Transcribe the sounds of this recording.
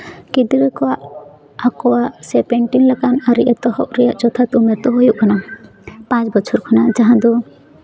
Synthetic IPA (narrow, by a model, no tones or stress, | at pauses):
kid̪iɾɛkɔwaʔ | akɔwaʔsɛpɛɳʈinlakanaɾiʔɛt̪ɔɦɔʔɾɛjaʔt͡ʃɔt̪ʰat̪umɛɾt̪ɔɦojuʔkana | pãt͡ʃbɔt͡ʃʰɔɾkʰanad͡ʒaɦãd̪ɔ